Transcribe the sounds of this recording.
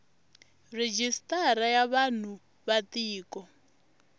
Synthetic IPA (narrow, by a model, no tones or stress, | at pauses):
red͡ʒistʼaɾajaβan̤u | βat̪iːkɔ